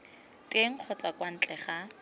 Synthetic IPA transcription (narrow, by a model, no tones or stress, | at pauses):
tʼeŋ̩q͡χʰɔt͡sakwan̩t͡ɬʼɛχa